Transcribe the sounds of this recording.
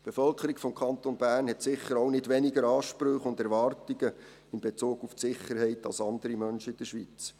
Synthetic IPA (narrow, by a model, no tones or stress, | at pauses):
b̥efœlkʰəɾikfɔmkʰɑnt̪onbæːɾnhɛtsɪχːəɾonɪdʋɛnɪɡəɾɑːʃpɾʏχʊndɛɾʋɑrtiɡə | ɪnbet͡suːɡuftsɪχəɾhɛɪtɑlsɑnd̪əɾimœnʃəɪd̥əʃʋiːt͡s